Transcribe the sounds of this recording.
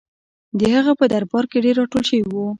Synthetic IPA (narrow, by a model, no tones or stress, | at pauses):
d̪əhaɣapəd̪aɾbɑɾkeɖeɾːɑʈolʃəwiwu